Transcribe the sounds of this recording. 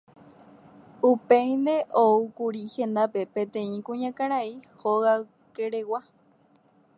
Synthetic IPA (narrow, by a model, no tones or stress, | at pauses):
upẽj̃nd̪e̞ʔoukuɾihẽ̞nd̪ape̞pẽ̞t̪ẽ̞ĩkũɲãkãɾaihoɣaw | keɾewa